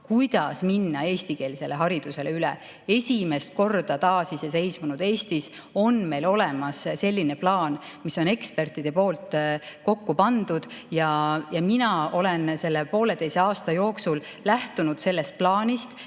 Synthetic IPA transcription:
kujd̪̥ɑsminːɑe̞ːst̪ike̞ːlise̞lːe̞ɦɑɾid̪̥use̞leylḛ | e̞sʲime̞st̪̚ko̞rd̪̥ɑt̪ɑːsisɑse̞jsmunud̪̥e̞ːst̪is | o̞nme̞jlo̞le̞mɑsse̞lʲːine̞plɑːnmiso̞ne̞kspe̞rt̪ˑid̪̥e̞po̞ːlt̪ˑko̞kːupɑnd̪̥ud̪̥jɑjɑminɑo̞lense̞lːepo̞ːle̞t̪e̞jseɑːst̪ɑjo̞ːksul | læht̪unud̪̥se̞lːe̞st̪̚plɑːnʲist̪

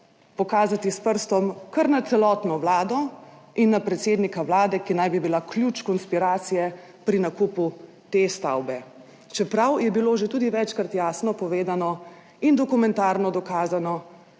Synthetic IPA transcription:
pɔkaːzat̪ispəɾst̪ɔmkəɾnat̪sɛlɔt̪nɔwlaːd̪ɔinːapɾɛt̪seːd̪nikawlaːd̪ɛkinajbibilaklʲjut͡ʃkɔnspiɾaːt̪sijɛ | pɾinakuːpu | t̪est̪a̰wbɛ | t͡ʃɛpɾawjɛbiloʒet̪uːd̪iʋɛt͡ʃkɾat̪jaːsnɔpɔʋeːd̪anɔ | ind̪ɔkumɛ̃nt̪aːɾnɔd̪ɔkaːzanɔ

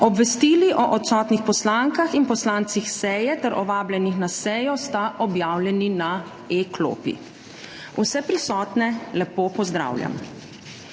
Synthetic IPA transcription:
ɔbʋɛst̪iːliʔɔʔɔt̪sɔːt̪nixpɔslaːŋkaxinpɔslaːnt̪sixsɛjɛt̪ɛɾʔɔʋaːblʲɛnixnasɛjɔst̪aʔɔbjaːwljɛnina | eklo̰ːpḭ | usɛpɾisɔːt̪nɛlɛpopɔzd̪ɾa̰ːwlja̰m

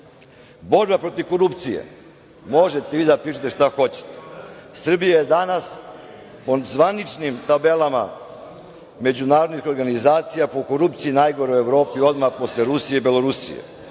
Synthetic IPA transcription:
bo̞ɾbapɾo̞t̪iʋko̞ɾupt̪sijḛ | mo̞ʒet̪eʋid̪apɾit͡ʃit̪e̞ʃt̪axo̞t͡ɕe̥t̪e̥sr̩bijajed̪anas | po̞zʋanit͡ʃnimt̪abe̞lˠama | me̞d͡ʑunaːɾod̪nixo̞ɾɡanizaːt̪sijapo̞ko̞ɾupt̪siinajɡo̞ɾeeʋɾo̞ːpio̞d̪maxpo̞sleɾusije̞ibelo̞ɾusḭjḛ

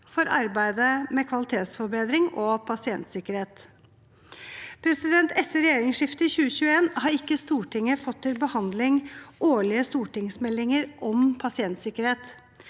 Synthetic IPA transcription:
fɔɾɑɾbæɪd̪əmɛkʰʋɑlɪt̪ʰeːt̪sfɔbeːd̪ɾɪŋʔɔpʰɑsɪɛnt̪sɪkəɾeːt̪ | pʰɾɛsɪd̪ɛnt̪ɛt̪ːəɾɛjeːɾɪŋsʂɪft̪əçʉːəçʉːəeːnhɑɾɪkːəst̪uːʈɪŋːəfɔt̪ʰːɪlbəhɑnd̪lɪŋʔoːɭɪəst̪uːʈɪŋsmɛlːɪŋəɾʔɔmpʰɑsɪɛnt̪sɪkəɾheːt̪

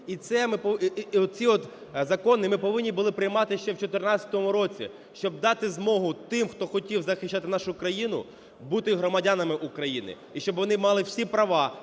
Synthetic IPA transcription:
it̪sɛmɪpɔɔt̪̚t͡sʲiɔt̪zɐkɔnɪmɪpɔʋɪnʲːibʊlˠɪpɾɪjmɑt̪ɪʃt͡ʃɛwt͡ʃɔt̪ɪrnɑt͡sʲɐt̪ɔmʊɾɔt͡sʲḭ | ʃt͡ʃɔb̚d̪ɑt̪ɪzmɔɦʊt̪ɪmxt̪ɔxɔtʲiwzɐxɪʃʲt͡ʃːat̪ɪnɑʃʊkɾɐjinʊ̰ | but̪ɪɦɾɔmɐdʲanɐmɪʔʊkɾɐjinɪ̰ | iʃt͡ʃɔbʋɔn̪ɪmɑlˠɪwsʲipɾɐʋɑ

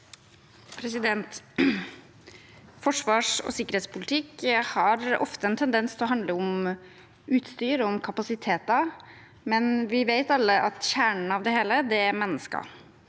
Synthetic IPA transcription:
pʰɾɛsɪd̪ɛnt̪ | fɔʂʋɑːʂɔ̰sɪkːəɾheːt̪spʰʊlɪt̪ʰɪkhɑɾɔ̰ft̪əɛnt̪ʰɛnd̪ɛnst̪ʰlɔɦɑnd̪ləʊm | ʉːt̪st̪yːɾʊmkʰɑpɑsɪt̪ʰeːt̪ɑ | mɛnʋɪʋeɪt̪ɑlːəʔɑt̪çæːɳn̩ɑʋd̪ɛheːləd̪ɛæɾmɛnːəskɑ̰

